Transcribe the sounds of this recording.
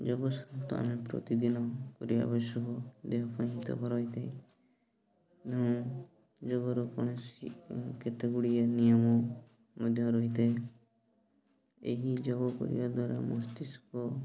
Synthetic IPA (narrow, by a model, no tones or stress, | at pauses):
d͡ʒɔɡɔsɔt̪ɔa̰mepɾɔ̰t̪id̪inɔkɔɾia̰bɔsɔkɔd̪eɦɔpaĩɦit̪ɔ̰kɔɾɔɦit̪ʰaẽ | eɔ̃ | d͡ʒɔɡɔɾɔkɔɽ̃esiket̪eɡuɽianijɔmɔ | mɔd̪ʱjɔɾɔɦit̪ʰã | ḛɦid͡ʒɔɡɔkɔ̰ɾḭbad̪waɾamɔst̪iskɔ